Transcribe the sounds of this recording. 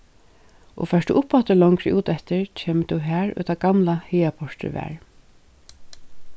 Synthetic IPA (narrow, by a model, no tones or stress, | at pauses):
ʔɔ̰fɛʂt̪ṵʔʊpːat̪əlɔŋkɾɪʔuːt̪ɛt̪ɪɹt͡ʃʰeːmət̪ʰuɦæːɹʏ̰t̪ʰaɡamlaheːapʰɔɹt̪ɪ̰ɹʋæ̰ːɹ